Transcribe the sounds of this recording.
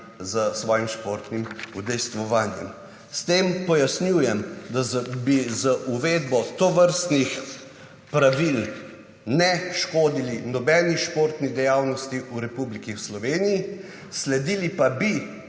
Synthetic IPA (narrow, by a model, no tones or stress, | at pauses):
zəsʋɔːjimʃpoːɾt̪nimud̪ɛjst̪ʋɔʋaːnjɛ̰m | st̪eːmpɔjasnjuːjɛmd̪azbizəʔuʋeːd̪bɔt̪ɔʋəɾst̪nix | pɾaʋil | nɛʃkoːd̪ilinɔbɛːniʃpoːɾt̪nid̪ɛjaːwnɔst̪iuɾɛpublikiwslɔʋeːniji | slɛd̪ilipabi